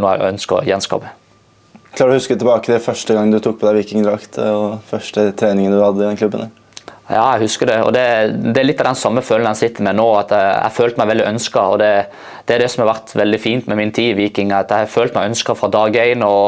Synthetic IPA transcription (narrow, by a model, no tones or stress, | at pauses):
nuːæ̰œnskə̰jɛnskɑ̰ːpə | klɑːɔhʉskət̪ʰɪlbɑːkət̪ɪlfœʂʈəɡɑŋːd̪ʉt̪ʰuːk̚pʰɔd̪æɪʋiːkɪŋd̪ɾɑkt̪ɔfœʂʈət̪ʰɾeːnɪŋənd̪ʉhɑd̪ːəɪd̪ɛnklʉbːənə | jɑːæɪhʉskəd̪ɛɔ̰d̪ɛd̪ɛæɾlɪt̪ːɑd̪ɛnsɑmːəføːln̩əɛsɪt̪ʰːəɾmɛnoːɑt̪ɛæ̰føːlt̪mæɪʋɛld̪ɪʔœnskəɔ̰d̪ɛ | d̪̥ɛæɾd̪ɛsɔmhɑɾʋæɾt̪ʋɛld̪ɪfiːnt̪mɛmɪnt̪ʰiːʋiːkɪŋɑt̪æɪɑføːlt̪mæɪœnskəfɾɑd̪ɑːɡæɪnɔ